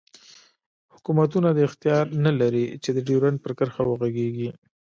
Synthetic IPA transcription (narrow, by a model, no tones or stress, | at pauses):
hʊkumat̪unad̪əɪxt̪ijɑɾnalaɾit͡ʃed̪əɖiɾanpəɾkəɾxawəɣaɡeɡi